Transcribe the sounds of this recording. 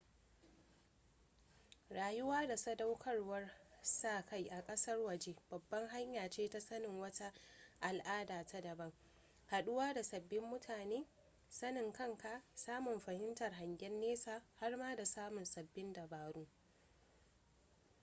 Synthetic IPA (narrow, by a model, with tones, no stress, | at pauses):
ɾaː˨jʊ˦waː˦da˨sɐ˦da˦wkʰɐ˦rwɐ˦rsaː˦˨ka˦jʔa˨kʼɐ˦sɐ˦rwɐ˨d͡ʒe˦b̥ɐ˨bːɐ˦ŋɦa˦ɲjaː˨t͡ʃeː˦ta˦sɐ˦nɪ˨ŋwɐ˦ta˦ʔa˨lʔaː˦daː˨tʰa˦dɐ˨bɐ˦ŋ | ha˨ɗʊ˦waː˦da˨sɐ˨bːɪ˦mːʊ˦tʰaː˨neː˦ | sɐ˦nɪ˨ŋkɐ˦ŋka˨saː˦mʊ˨mɸɐ˨hɪ˦ntɐ˨rɦa˨ŋɡʲɛ˦nːeː˦saː˨ha˦rmaː˦da˨saː˦mʊ˨nsɐ˨bːɪ˦ndɐ˨baː˨ɾuː˦